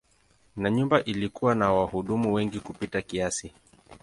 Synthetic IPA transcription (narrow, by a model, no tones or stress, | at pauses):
naɲumbaʔilikuwanawahuɗumuwɛŋɡikupitakiasi